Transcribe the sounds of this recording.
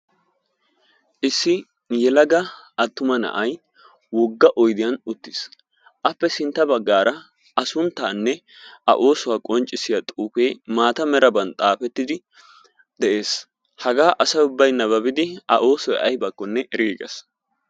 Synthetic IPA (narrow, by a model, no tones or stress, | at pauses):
ʔɪsːɪ | jɛlɐɡɐ | ɐt̪ːʊmɐnɐ̰ʔɐj | wɔɡːɐʔɔjd̪ɪjɐnʊt̪ːɪ̥s | ʔɐpːɛsɪnt̪ːɐbɐɡːaːɾʔɐ | ɐsʊnt̪ːaːnːɛ | ʔɐ̰ʔo̞ːsɔwaːkʼɔnt͡ʃʼɪsɪjat̪ʼuːpeːmaːt̪ɐmɛɾɐbɐnt̪ʼaːfɛt̪ːɪd̪ɪ | d̪̥ɛʔeːs | hɐɡaːʔɐsɐjʊbːɐjnːɐβɐbɪd̪ɪɐ̰ʔo̞ːsɔjʔɐjbɐkːɔnːɛɛɾiːɡɛ̰s